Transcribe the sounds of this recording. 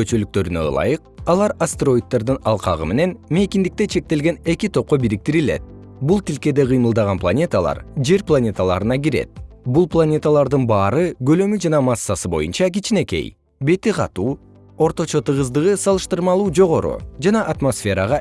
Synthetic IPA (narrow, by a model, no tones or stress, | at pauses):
øt͡ʃølyk̚t̪ø̞ɾynø̰lˠɑ̰jɯqɑlˠɑɾast̪eɾo̞jit̪ːeɾd̪ɯnɑlˠqɑ̰ʁɯme̞ne̞nme̞kind̪ik̚t̪et͡ʃʰe̞k̚t̪e̞lɡe̞ne̞kit̪ʰo̞p̚qo̞biɾik̚t̪iɾilḛt̪̚ | bulˠt̪ilke̞d̪e̞ʁɯjmɯlˠd̪ɑʁɑnplˠanʲe̞t̪əlˠɑ̰ɾd͡ʒe̞ɾplˠanʲe̞t̪əlˠɑ̰ɾɯnɑɡiɾe̞̰t̪̚bulˠplˠanʲe̞t̪alˠɑɾd̪ɯnbɑːɾɯɡø̞lømyd͡ʒɑnɑmɑsːɑsɯbo̞junt͡ʃɑɡit͡ʃine̞ke̞̰j | be̞t̪iqʰɑt̪uː | o̞ɾt̪o̞t͡ʃo̞t̪ɯʁɯzd̪ɯʁɯsɑlˠɯʃt̪ɯɾmɑlˠuːd͡ʒo̞ʁo̞ɾṵd͡ʒɑnɑʔat̪mo̞sfʲe̞ɾɑʁɑ